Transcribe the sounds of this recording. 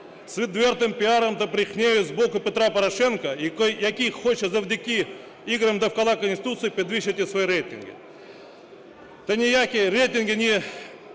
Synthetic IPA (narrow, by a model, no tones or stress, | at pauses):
svʲɪt̪vʲe̞rt̪ɨmpʲɪaɾəmd̪ɐpɾʲɪxnʲejʊzbokʊpʲɪt̪ɾapɐɾɐʂenkəikojɐkʲixxot͡ɕːɪzɐvʲd̪ʲɪkʲi | iɡɾəmd̪ɐfkɐlˠakənsʲtʲɪ̥t̪ut̪sɨpʲɪd̪vʲiɕɪtʲɪsvɐiɾejt̪ʲɪ̰nɡʲɪ̰ | t̪ɐnʲɪjakʲijɾejt̪ʲɪnɡʲɪnʲɪ